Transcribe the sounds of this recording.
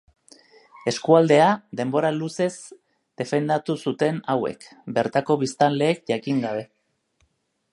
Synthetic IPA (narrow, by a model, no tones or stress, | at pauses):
e̞skuald̪e̞aðe̞mbo̞ɾaluse̞z | d̪̥e̞fe̞nd̪at̪usut̪e̞nawe̞̰kbe̞ɾt̪ako̞βist̪anle̞ːk̚ʝakiŋɡaβe̞